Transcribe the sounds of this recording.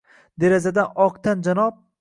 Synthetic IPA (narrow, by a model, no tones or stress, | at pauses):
d̪eɾazad̪anɒqt̪ʰand͡ʒanɒp̚